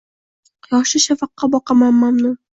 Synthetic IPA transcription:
jɒʃɪʃafɑqːɑbɒqʰɑmanːamnɪ

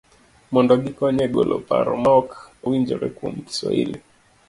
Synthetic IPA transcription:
mɔndɔɡikɔɲɛɡɔlʔɔpa̰ɾɔmɔkowiɲd͡ʒɔɾɛkom̩ki̥swa̰hḭli

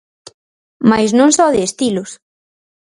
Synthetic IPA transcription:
majznõŋsɔðɪːst̪ilʊs

